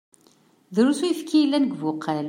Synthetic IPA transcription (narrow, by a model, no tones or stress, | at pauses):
ðɾusujfkʰːijəlːænəɡvʊqʰːæl